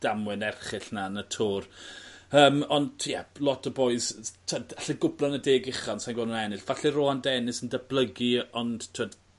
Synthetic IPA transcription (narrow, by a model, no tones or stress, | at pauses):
d̥amwɛnɛrχɪɬnanətʰoːr | əːmɔndʰjɛlˠɔtʰəboːɨztʰədaɬəɡʊblanədeːɡɪχɔnsanɡwɛnʊnɛnɨɬv̥aɬiroːandɛnɨsəndəblˠəɡiɔnd̥tʰwəd̥